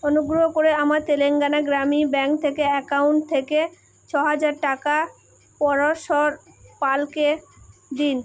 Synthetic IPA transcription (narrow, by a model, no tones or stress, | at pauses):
onuɡɾoɦokoɾeamaɾt̪eleŋɡanaɡɾamibɛŋkt̪ʰekeɛkawuɳʈ̚t̪ʰeke | t͡ɕʰɔɦad͡ʑaɾʈaka | pɔɾoʃɔɾ | palked̪in